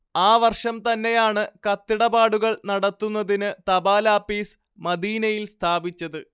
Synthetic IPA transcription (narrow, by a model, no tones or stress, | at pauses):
aːʋɐrʂɐmt̪ɐnːe̞jaːɳɨkɐt̪ːiɽɐbaːɽuɣɐɭnɐɽɐt̪ːunːɐðinɨt̪ɐbaːlaːpːiːs | mɐd̪iːnɐjilst̪ʰaːbit͡ɕːɐðɨ